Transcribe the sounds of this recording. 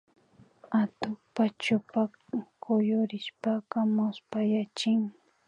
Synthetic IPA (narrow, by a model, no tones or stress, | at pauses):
at̪ʊpat͡ʃʊpa | kʰʊjʊɾɪʃpakamʊspajat͡ʃɪŋ